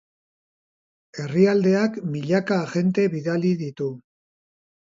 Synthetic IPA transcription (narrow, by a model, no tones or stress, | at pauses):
e̞riald̪e̞akmiʎakaʝe̞nt̪e̞βiðaliðit̪u